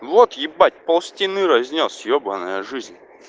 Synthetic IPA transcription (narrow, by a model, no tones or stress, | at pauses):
vot̪jɪbatʲpɐlˠsʲtʲinɨɾɐzʲnʲosjobɐnəjəʐɨzʲnʲ